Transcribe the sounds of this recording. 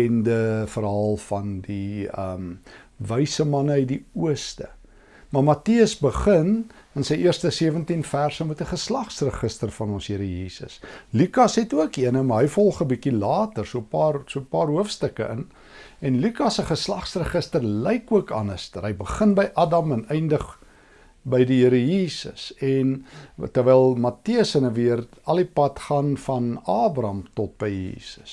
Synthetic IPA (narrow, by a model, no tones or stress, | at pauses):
ɛndəfərɦɐlˠfɐndiəm | vəjsəmɐnəədiuəstə̰ | mɐrmɐtiəsbəχən | ənsəjʔiərstəsiəvəntinfærsəmutəχəslɑχsrəχəstərfɐnɔnsɦiəɾəjiːsə̰slykɐsɦɛtuəkiənəmɐɦəjfɔlˠχəbikilɑːtərsuəpɑːrsuəpɑːrɦuəfstəkəʔən | ɛnlykɐsəχəslɑχsrəχəstərlɛjkuəkɑ̰nəstərɦəjbəχənbəjʔɑdɐmənɛjndəχ | bəjdiɦəɾəjiːsə̰sɛntərvɛjlˠmɐtiəsənəviər | ɐlˠipɐtχɑːnfɐnɑːbɾɐmtɔt̚bəjjḭːsə̥s